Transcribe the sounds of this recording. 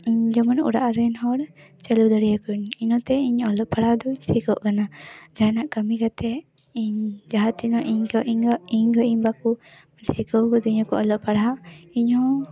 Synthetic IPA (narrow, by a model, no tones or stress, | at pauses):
iɲd͡ʒɔmɔnṵɾaʔaɾɛnhɔɽt͡ʃɛlud̪əɽijakuɲinɔ̃t̪ɛiɲɔlɔʔpaɽad̪ɔiɲsikɔʔkanad͡ʒanaʔkəmikat̪ʰɛ | iɲd͡ʒaɦat̪inɔʔiɲiɲɡɔʔiɲbaku | mnsikɔwkɔd̪ɔiɲɔ̃kɔʔɔlɔʔpaɽaaiɲhɔ̃